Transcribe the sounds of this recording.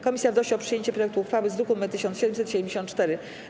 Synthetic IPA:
kɔmʲisʲjavd̪ɔɕiɔpʂɨjeɲt͡ɕɛpɾɔjɛk̚t̪uːxfawɘzd̪ɾukumɛt̪ɘɕɔ̃nsɕɛd̪ɛmusɛt̪ɕɛd̪ɛmd͡ʑeɕɔnt̪t͡ʂt̪ɛɾɘ

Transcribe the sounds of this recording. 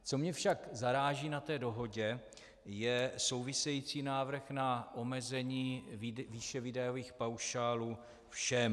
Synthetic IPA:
t͡so̞mɲɛfʃakzaɾaːʒiːnat̪ɛːdo̞ɦo̞ɟɛ | jɛso̞wvɪsɛjit͡siːnaːvr̩xnaʔo̞mɛzɛɲiːviʃɛvɪdɛjoviːxpawʃaːluː | fʃɛm

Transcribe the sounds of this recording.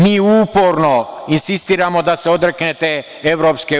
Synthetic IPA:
miːuːpo̞ɾnoinsist̪iːɾamo̞d̪aseo̞d̪ɾeknet̪e | eʋɾopske

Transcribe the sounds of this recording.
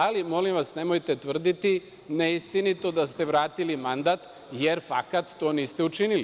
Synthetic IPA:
alimo̞limʋasnemojt̪e̞t̪ʋr̩d̪it̪i | neist̪init̪o̞d̪ast̪eʋɾaːt̪ilimand̪at̪ | jeɾfa̰kat̪ːo̞ːniːst̪e̞ut͡ʃinili

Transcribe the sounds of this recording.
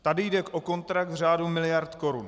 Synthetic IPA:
t̪adɪjdɛkʔo̞ko̞nt̪ɾak̚t̪vr̝aːdumɪlɪjaɾt̪ko̞ɾṵn

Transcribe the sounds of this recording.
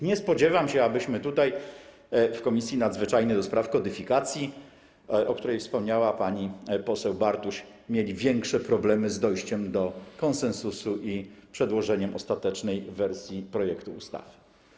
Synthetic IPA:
ɲɛspɔd͡ʑɛvamɕɛabɘɕmɘt̪ut̪aj | fkɔmʲisʲjinad̪zvɘt͡ʂajnɛd̪ɔspɾafkɔd̪ɘfʲikat̪sʲji | ʔɔk̚t̪uɾɛjfspɔmɲawapaɲipɔsɛwbaɾt̪uɕ | mʲjelʲivʲjɛŋkʂɛpɾɔblɛmɘzd̪ɔjɕt͡ɕɛmd̪ɔkɔnsɛnsusuʔipʂɛd̪wɔʐɛɲɛmʔɔst̪at̪ɛt͡ʂnɛjvɛɾsʲjipɾɔjɛkt̪uust̪a̰v

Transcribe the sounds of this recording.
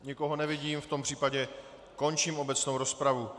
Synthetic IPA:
ɲɪko̞ɦo̞nɛvɪɟiːmft̪o̞mpr̝̥iːpaɟɛ | ko̞nt͡ʃimʔo̞bɛt͡sno̞wɾo̞spɾavu

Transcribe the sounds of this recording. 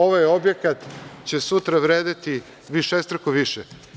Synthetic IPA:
o̞ʋajo̞bjekat̪t͡ɕesut̪ɾaʋɾeːd̪it̪i | ʋiʃest̪ɾakuʋiʃɛ

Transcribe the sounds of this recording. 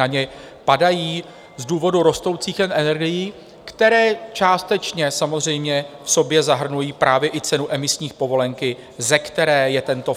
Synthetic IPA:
aɲɛpadajiː | zduːvo̞duɾo̞st̪o̞wt͡siːxɛnʔɛnɛɾɡɪjiː | kt̪ɛɾɛːt͡ʃaːst̪ɛt͡ʃɲɛsamozr̝ɛjmɲɛfso̞bjɛzaɦr̩nujiːpɾaːvjɛʔɪt͡sɛnuʔɛmɪsɲiːxpo̞vo̞lɛŋkɪ | zɛkt̪ɛɾɛːjɛt̪ɛnt̪o̞

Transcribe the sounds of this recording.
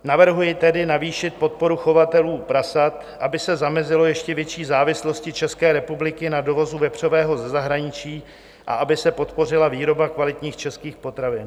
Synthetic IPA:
navr̩ɦujɪt̪ɛdɪnaviːʃɪt̪̚po̞t̪̚po̞ɾuxo̞vat̪ɛluːpɾasat̪ | ʔabɪsɛzamɛzɪlo̞jɛʃcɛvjɛt͡ʃiːzaːvɪslo̞scɪt͡ʃɛskɛːɾɛpublɪkɪnado̞vo̞zuvɛpr̝̥ovɛːɦo̞zɛzaɦɾaɲɪt͡ʃiː | ʔa̰ʔabɪsɛpo̞t̪po̞r̝ɪlaviːɾo̞bakvalɪt̪ɲiːxt͡ʃɛskiːxpo̞t̪ɾavɪn

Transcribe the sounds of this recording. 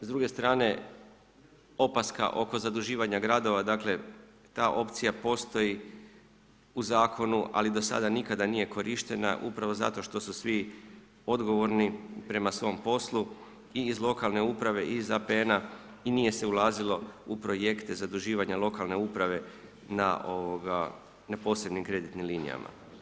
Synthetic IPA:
zd̪ɾuɡe̞st̪ɾaːne̞ | o̞paska̰ʔo̞ko̞zad̪uʒiːʋaɲaɡɾad̪o̞ʋad̪aːkle̞ | t̪aːʔo̞pt̪sijapo̞st̪o̞ji | uzaːkʰo̞nuʔa̰lid̪o̞sa̰d̪anikad̪anije̞ko̞ɾʔiʃt̪e̞na̰ʔupɾaʋo̞za̰t̪o̞ʃt̪o̞susʋi | o̞d̪ɡo̞ʋo̞ɾnipɾe̞masʋo̞mpo̞slu | iːzlˠo̞kalˠne̞upɾaʋe̞ʔiːzapeena | inije̞se̞ulˠaːzilo̞upɾo̞je̞kt̪e̞zad̪uʒiːʋaɲalˠo̞kalne̞upɾaʋe̞ | naoʋoɡa | napo̞ːse̞bnimkɾe̞d̪it̪nimliːnḭja̰ma̰

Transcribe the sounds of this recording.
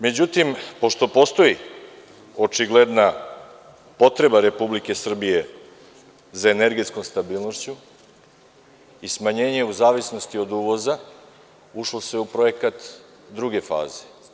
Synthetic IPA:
me̞d͡ʑut̪impo̞ʃt̪o̞po̞st̪o̞i | o̞t͡ʃiɡled̪na | po̞t̪ɾe̞baɾe̞publike̞sr̩bije̞ | zaene̞ɾɡe̞t̪sko̞mst̪abiːlˠno̞ʃt͡ɕu | ismaɲe̞ːɲe̞uzaːʋisno̞st̪io̞d̪uːʋo̞za | uʃlo̞se̞upɾo̞e̞kat̪ | d̪ɾuɡe̞fa̰ːze̞

